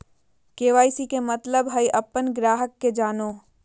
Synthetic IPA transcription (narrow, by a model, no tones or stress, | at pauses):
keːʋaːisikemɐt̪ləbɦɐiʔɐpːənɡɾaːɦəkːed͡ʒaːnoː